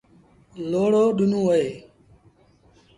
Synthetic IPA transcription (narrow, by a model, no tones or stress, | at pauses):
loːɽoːɗʊnũːɦoeː